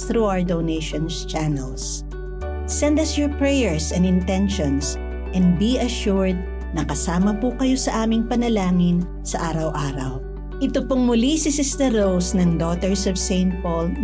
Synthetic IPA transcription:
θɾuʔawəɹd̪ownejʃɔnst͡ʃanɛls | sɛ̃nd̪ɐsjɔɹpɹɛjɛɹsɛ̃nɪnt̪ɛ̃nʃɔ̃ns | ʔɛ̃nd̪̚biɐʃuɹd̪̚ | nɐkɐsaːmɐpukɐjo̞sɐʔaːmɪŋpɐnɐlaːŋɪn | sɐʔaːɾɐwʔaːɾɐw | ʔɪt̪opoŋmʊlisɪsɪst̪ɛɹowsnɐŋd̪ot̪ɛɹsɔvsẽɪ̃nt̪̚pol

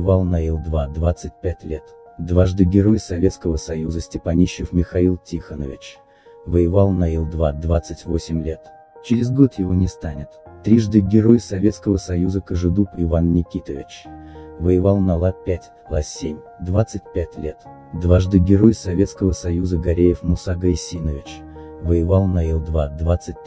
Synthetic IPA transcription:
valˠnɐilˠd̪vad̪vat̪sɨt̚ʲpʲætʲlʲet̪ | d̪vaʐd̪ɨɡʲɪɾo̞jsɐvʲet̪skəvəsɐjuzəsʲtʲɪpɐnʲiɕːɪfmʲɪxɐilˠtʲixənəvʲɪ̰t͡ɕ | vəjɪvalˠnɐilˠd̪vad̪vat̪sɨtʲvosʲɪmʲlʲet̪ | t͡ɕɪɾʲɪzɡo̞t̪jɪvo̞nʲɪst̪anʲɪt̪t̪ːɾʲiʐd̪ɨɡʲɪɾo̞jsɐvʲe̞t̪skəvəsɐjuzəkəʐɨd̪upɪvannʲɪkʲit̪əvʲɪt͡ɕvəjɪvalˠnɐlˠapʲætʲ | lˠasʲemʲ | d̪vat̪sɨt̚ʲpʲætʲlʲe̞t̪ | d̪vaʐd̪ɨɡʲɪɾo̞jsɐvʲet̪skəvəsɐjuzəɡɐɾʲejɪfmʊsaɡɐjsʲinəvʲɪt͡ɕvəjɪvalˠnɐilˠd̪vad̪vat̪sɨt̚ʲ

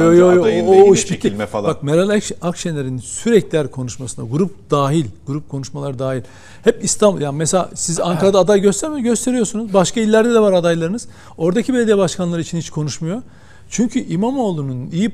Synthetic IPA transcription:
jojojooiʃicʰːiɛfbak̚meɾalʲˠɛkʃakʃɛnlʲeɾinsyɾɛclʲæɾkʰo̞nuʃmasɯna̰ɡuɾup̚d̪aːɦilʲɡ̥uɾup̚kʰo̞nuʃmalˠaɾɯd̪aːɦilʲ | hɛpist̪ʰambulˠjanimeselʲa̰sizaŋkʰaɾad̪aːd̪ajɟøst̪ʰæɾmeɟøst̪ʰe̞ɾijosunuzbaʃkailʲːæɾd̪ɛd̪ɛvaɾad̪ajlˠaɾɯnɯz̥ | o̞ɾd̪acʰibelʲed̪ijabaʃkʰanlˠaɾɯit͡ʃʰinhit͡ʃkʰo̞nuʃmujo̞ | t͡ʃʰyɲcʰyʔimamo̞ːlˠununiji

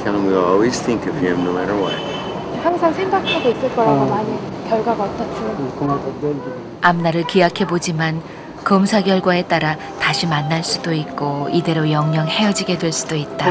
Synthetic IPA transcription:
kʰãŋ̃nwialˠwizθĩŋkɨfiɛ̃mnomæɾə˞wa̰ | haŋsʰaŋsʰeŋɡakʰaɡois͈ɯɭk͈ʌɾaɡomaɲikjʌɭɡwaɡaʌt͈ʌt͡ɕʰo | amnaɾɯɭkiakʰe̞bod͡ʑiman | kʌmsʰaɡjʌɭɡwae̞t͈aɾa | taɕʰimanːaɭs͈ud̥oit̚k͈oide̞ɾojʌŋɲʌŋhe̞jʌd͡ʑiɡe̞dwe̞ɭs͈udoit̚t͈a

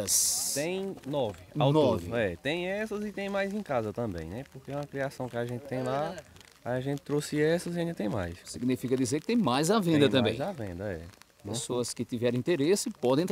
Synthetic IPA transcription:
ɐst̪ẽj̃nɔvɪawnɔvɪɛt̪ẽj̃ɛsɐzɪt̪ẽj̃majzẽkazɐt̪ɐ̃mbḛ̃j̃nɛpoɾkeɛũmɐkɾiasɐ̃w̃kɪaʒẽt̪ɪt̪ẽj̃la | ajaʒẽnt̪ɪ̥t̪ɾosɪɛsɐziaĩd̪ɐt̪ẽj̃ma̰jssiɡnifikɐd̪izeɾkɪ̥t̪ẽj̃majzavẽnd̪ɐ̃t̪ɐ̃mbẽj̃avḛ̃nd̪ɐɛ̰ | pẽsoɐskɪt̪ivɛɾ̃ĩnt̪eɾesɪpɔd̪ẽt̪

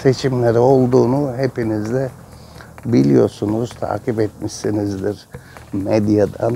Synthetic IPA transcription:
se̞t͡ʃʰimlʲeɾio̞lˠd̪uːnuɦepinizd̪ɛ | bilʲijo̞ɾsunuz̥t̪ʰa̰ːkipɛt̪̚miʃsinizd̪iɾ̥med̪jad̪an

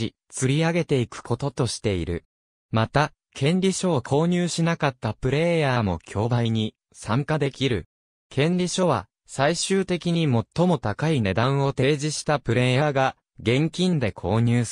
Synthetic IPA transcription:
i | t͡sɨɾʲiaɡe̞t̪e̞ikɯ̟̥kʰo̞t̪o̞t̪o̞ɕi̥t̪e̞iɾɯ̟̰ | mat̪a | kʰẽ̞nɾʲiɕo̞ːkʰo̞ːɲ̟ɨːɕinakat̪ːapɯ̟ɾe̞jaːmo̞̰kʲʰo̞ːbaiɲ̟i | sãŋkad̪e̞kʲiɾɯ̟ | kʰẽ̞nɾʲiɕo̞β̞a̰ | saiɕɨːt̪e̞kʲiɲ̟imo̞t̪ːo̞mo̞t̪akaine̞d̪ãɰ̃o̞t̪e̞ːʑiɕi̥t̪apɯ̟ɾe̞ːjaːɡa | ɡẽ̞ŋkʲĩnd̪e̞kʰo̞ːɲ̟ɨː

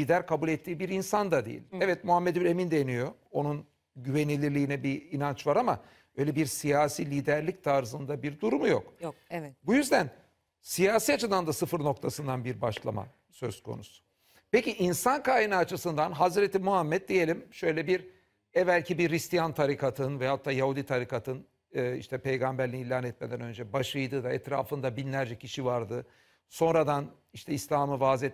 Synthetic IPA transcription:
liːd̪æɾkʰabulʲɛt̪ʰːiːbiɾinsand̪ad̪ḛḭlʲɛvɛt̪̚muɦamːed̪ylʲe̞mind̪enijo̞o̞nun | ɟyve̞nilʲilʲiːnɛbiːnant͡ʃvaɾama | bø̞jlʲɛbiɾsijaːsiːlʲiːd̪æɾlʲic̚t̪ʰaɾzɯnd̪abiɾd̪uɾumujo̰k | bujyzd̪æn | sijaːsiːat͡ʃʰɯd̪and̪asɯfɯɾno̞k̚t̪ʰasɯnd̪anbiɾba̰ʃlˠa̰ma̰ | søzkʰo̞̰nusu̥ | pe̞ciʔinsankaːjinaːt͡ʃʰɯsɯnd̪anɦazɾet̪ʰimuɦamːɛt̪̚d̪ije̞lʲimʃø̞jlʲɛbiɾ | ɛvælʲcʰibiːist̪ʰijant̪ʰaɾikʰat̪ʰɯnvɛjaɦat̪ʰːaːjahud̪it̪ʰaɾikʰat̪ʰɯn | ɯːḭʃt̪ʰɛpʰejɡambæɾlʲinilʲaːnɛt̪̚med̪ænø̞nd͡ʒɛbaʃlˠɯjd̪ɯːd̪aɛt̪ɾa̰ːfɯnd̪abinlʲæɾd͡ʒɛcʰiʃivaɾd̪ɯ | so̞nɾad̪an | iʃt̪ʰɛislʲaːmɯvaːzɛt̪

